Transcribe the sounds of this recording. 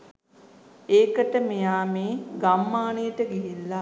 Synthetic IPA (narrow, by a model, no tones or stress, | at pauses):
eːkəʈəmejaːmeːɡamːaːnejəʈəɡiɦilːa